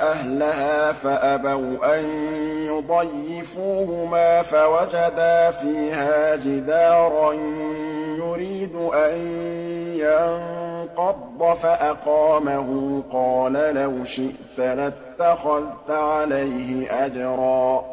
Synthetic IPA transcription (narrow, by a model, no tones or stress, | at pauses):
ʔahlaɦaːfaʔabawʔanjʊd̪ˤɑjːɪfuːhʊmaːfawad͡ʒad̪aːfiːhaːd͡ʒɪd̪aːɾˤɑn | jʊɾiːd̪ʔan | janqɑd̪ˤːɑfaʔaqɑːmaɦʊqɑːlalawʃɪʔt̪alat̪ːaxaðt̪ʕalajɦɪʔad͡ʒɾˤɑː